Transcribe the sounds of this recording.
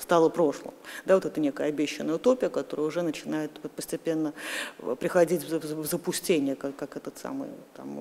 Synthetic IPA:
st̪alˠəpɾo̞ʂlˠə̰md̪avo̞t̪ɛt̪ənʲe̞kəjəɐbʲeɕːɪnːəjʊt̪o̞pʲɪjəkɐt̪o̞ɾəjəʊʐɛnət͡ɕɪnajɪt̪pəsʲtʲɪpʲe̞nːəpɾʲɪxɐdʲitʲvzəpʊsʲtʲenʲɪjəkakːakɛt̪ət̪sa̰mɨ̰jt̪a̰m

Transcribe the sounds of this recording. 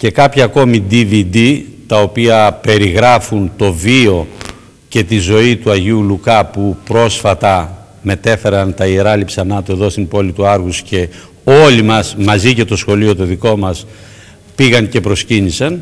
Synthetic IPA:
ce̞kɐpçɐːko̞mid̪ivid̪it̪ɐo̞piɐpe̞ɾiɣɾɐfunt̪o̞vio̞ | ce̞t̪izo̞it̪uɐʝiulukɐpupɾo̞sfɐt̪ɐ | me̞t̪e̞fe̞ɾɐnt̪ɐieɾɐlipsɐnɐt̪ue̞ðo̞st̪impo̞lit̪uɐɾɣusce̞ | o̞limɐsmɐzice̞t̪o̞sxo̞lio̞t̪o̞ðiko̞mɐs | piɣɐnce̞pɾo̞scinisɐn

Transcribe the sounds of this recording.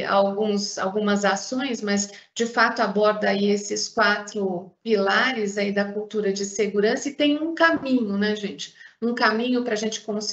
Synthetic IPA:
a̰wɡũsa̰wɡũmɐzasõj̃smɐz | d͡ʒɪfat̪ʊabɔɾd̪ɐaiesɪskwat̪ɾʊpilaɾɪzaid̪ɐkuwt̪uɾɐd͡ʒɪseɡuɾɐ̃sɐɪt̪ẽj̃ũkamĩɲʊnɛʒẽt͡ʃɪ̥ũkamĩɲʊpɾɐaʒẽnt͡ʃɪ̥kõs

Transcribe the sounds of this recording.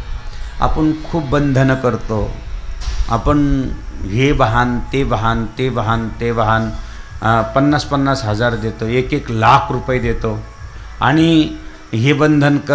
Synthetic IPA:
a̰pəɳkʰuːpbənd̪ʱənkəɾt̪o | a̰pəɳɦeʋəɦant̪eʋəɦant̪eʋəɦant̪eʋəɦan | pənːaspənːasɦəd͡zaɾd̪et̪oekeklakʰɾupəjd̪et̪o | a̰ɽ̃i | ɦebənd̪ʱənkə

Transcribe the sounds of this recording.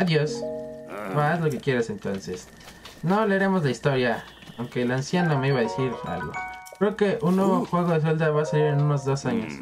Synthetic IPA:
aðjo̞s | bazlo̞ke̞kje̞ɾasent̪o̞nses | no̞leɾe̞mozlaist̪o̞ɾja | a̰wŋke̞lansjaname̞iβaðesiɾa̰lɣo̞̰kɾe̞oke̞ʔunːweβoxwe̞ɣo̞ðes̬eld̪aβaːsaliɾenuno̞zðo̞saɲo̰s

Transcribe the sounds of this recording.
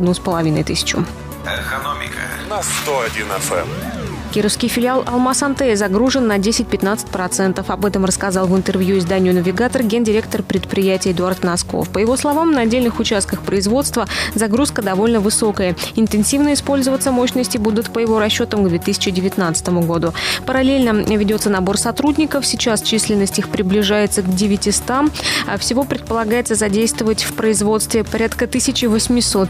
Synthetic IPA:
d̪nuspəlˠɐvʲinə̰jt̪ɨsʲɪ̥t͡ɕʊ̰ | ɛkɐnomʲɪ̰kə̰nast̪oɐdʲinɛ̰fɛ̰m | kʲiɾəfskʲɪjfʲɪlʲɪalˠʔɐ̰lˠmasɐnt̪ɛzɐɡɾuʐɨnːɐdʲesʲɪt̚ʲpʲɪt̪nat̪sɨ̥t̚ʲpɾɐt̪sɛnt̪əfɐbɛt̪əmrəskɐzɑlˠvɨnt̪ɨrvʲjuɪzd̪anʲɪjʊnəvʲɪɡat̪ərɡʲe̞ndʲɪɾʲek̚t̪ərpɾʲɪt̪̚pɾʲɪjætʲɪəɪd̪ʊart̪nɐsko̰fpəjɪvo̞slˠɐvamnɐɐdʲelʲnɨxʊt͡ɕast̪kəxpɾəɪzvo̞t̪st̪vəzɐɡɾuskəd̪ɐvo̞lʲnəvɨso̞kəjəɪnt̪ɨɪnsʲivnəɪspo̞lʲzəvət̪səmo̞ɕnəsʲtʲɪbud̪ʊt̪pəjɪvo̞ɾɐɕːo̞t̪əmɡd̪vʲet̪ɨsʲɪ̥t͡ɕɪdʲɪvʲɪt̪nat̪sə̥t̪əmʊɡod̪ʊpəɾɐlʲelʲnəvʲɪdʲo̞t̪sənɐbo̞rsɐt̪ɾudʲnʲɪkəfsʲɪt͡ɕast͡ɕisʲlʲɪnːəsʲtʲixpɾʲɪblʲɪʐajɪt̪səɡdʲɪvʲɪtʲɪst̪amfsʲɪvo̞pɾʲɪt̪̚pəlˠɐɡajɪt̪səzɐdʲejst̪vəvətʲfpɾəɪzvo̞t̪st̪vʲɪpɐɾʲat̪kət̪ɨsʲɪt͡ɕɪvəsʲmʲɪso̞t̪

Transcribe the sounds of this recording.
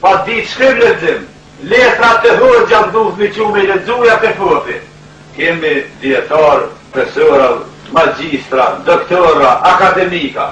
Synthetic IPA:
pad̪it̪ʃkɾimlɛd͡zɪm | lɛt̪ɾat̪ɛɦuɛtd͡ʑamd̪uθmit͡ɕumilɛd͡zujat̪ɛfɔt̪i | kɛmid̪iɛt̪aɾpɾɛsɔɾal | mad͡ʑist̪ɾad̪ɔkt̪ɔɾaʔːkad̪ɛmika̰

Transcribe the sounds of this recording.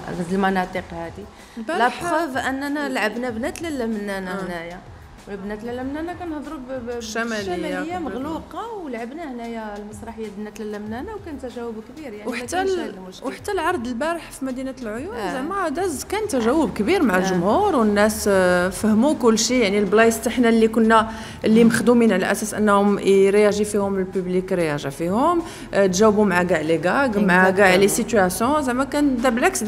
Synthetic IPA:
zæd̪əlmɑnɑt̪ˤiqhæd̪i | lbæɾlæħxəfʔənːænælʕəbnabnæt̪ləlːmnænahnæja | wbnæt̪læləmnænakænhd̪ˤɾubʃːæmæləjːajːaməɣluqɑwlʕabnahnæjælmɑsˤɾˤɑħəjːabnæt̪llːæmnænawkænt̪ːæʒæwːəbkbiɾjaʕwiħat̪ːæ | wħḁt̪ːælʕɑɾˤd̪əlbæɾəħfimæd̪inælʕojunzæmæʕæd̪æzkænt̪ːæʒæwːəbkbiɾmaʕalʒʊmhuɾˤwənːæsfəhmukʊlːʃijaʕnilblɑjəst̪aħnælːikʊnːæ | ʔlːiməxd̪uminʕalæ̰ʔæ̰sæsʔə̰nːhʊmɾjæʒifihʊməlpyblikɾjæʒifihʊm | t̪ʒæwbumʕaɡaʕleɡæɡmʕaɡæʕlesit̪yæsjɔ̃zæmækænd̪æblʕaks

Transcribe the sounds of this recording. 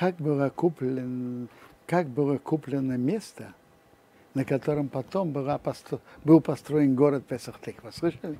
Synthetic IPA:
kak̚bɨlakuplʲɪnkakbɨlˠəkuplʲɪnːəmʲest̪ə | nɐkɐt̪oɾəmpɐt̪ombɨlapɐst̪bɨlˠpɐst̪ɾoɪnɡoɾət̪̚pʲɛsəxt̪exvɐsʁɨʂɛnʲ

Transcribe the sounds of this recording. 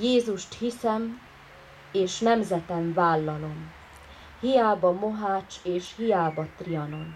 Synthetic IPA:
jeːzuʃt̪hisɛm | eːʃnɛmzɛt̪ɛɱvaːlːɒlo̞m | hijaːbɒmoɦaːt͡ʃeːʃhijaːbɒt̪riɒno̞n

